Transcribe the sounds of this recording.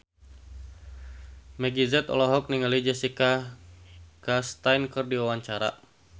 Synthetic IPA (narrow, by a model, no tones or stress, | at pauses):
mɛɡizɛt̪ɔ̰lɔɦɔk̚niŋalid͡ʒɛsika | kast̪ajnkɨrdiwawaɲt͡ʃaɾa̰